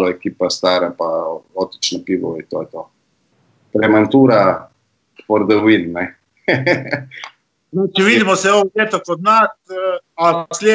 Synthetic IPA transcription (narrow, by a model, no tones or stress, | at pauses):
ɔɛkiːpɛst̪aːɾɛpaot̪i̥t͡ʃnɔpiʋɔit̪ojɛt̪oː | pɾɛmɛnt̪uːɾa | pɔɾd̪ɔʋinnɛ | nɛt͡ʃɛʋid̪imɔsɛoeːt̪okɔd̪nat̪ | aslʲe